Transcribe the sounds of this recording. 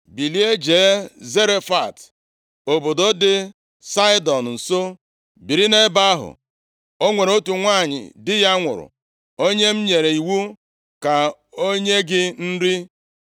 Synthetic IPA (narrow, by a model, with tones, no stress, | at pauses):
bi˨li˦e˦d͡ʒeː˨˦ze˦ɾe˦fa˨t | o˨bo˨do˦dɪ˦ | sa˦ɪ˦dɔ˨n̩˨n̩˨so˦ | bi˨ɾi˦ne˦ba˦ɦʊ̰˨ | o˦ŋʷe˨ɾo˦tu˨ŋʷa˦˨ɲɪ̰˨dɪ˦ja˦ŋʷʊ̰˨ɾʊ̰˨ | o˦ɲe˦m̩˦ɲe˨ɾe˨i˨wu˦ | ka˨ | o˦ɲe˦ɡɪ˦n̩˦ɾi˦